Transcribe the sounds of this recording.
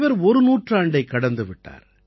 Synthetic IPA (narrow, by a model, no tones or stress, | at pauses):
ʋɐɾɔɾɯnuːʈraːɳɖɐɪkːɐɽɐnd̪ɯʋɪʈːa̰ːɾ